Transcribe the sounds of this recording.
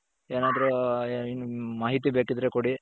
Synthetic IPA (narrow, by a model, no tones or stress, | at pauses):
eːnaːd̪ɐɾuinmaːɦit̪ibeːkid̪ɾekoɽi